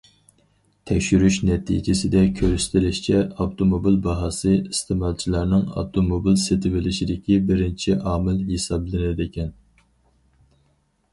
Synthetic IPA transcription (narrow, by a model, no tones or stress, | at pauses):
t̪ʰɛkʲʃyɾyʃnɛt̪ʰḭd͡ʒɪsɪd̪ɛkʲʰøɾsɪ̥t̪ʰɪlɪʃt͡ʃʰɛɑft̪ʰomobilbɑɦɑsɨist̪ʰɪmɑlˠt͡ʃʰilˠɑɾnɨŋɑ̰ft̪ʰomobilset̪ʰɪvɪlɪʃid̪ɪkʲibɪɾɪnt͡ʃʰiʔɑːmɪlɦesɑblˠɪnɪd̪ɪkʲʰɛn